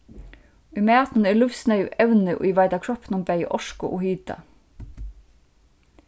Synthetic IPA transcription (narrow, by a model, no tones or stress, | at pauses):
ymɛːɑt̪n̩ɛːlʉfsnœʏɛʉnəʔo̰ːiːʋɑɪd̪ɑkʰɹɔpnʊmbæɪə̰ʔɔʃkʊʔoːhyːd̪ɑ̰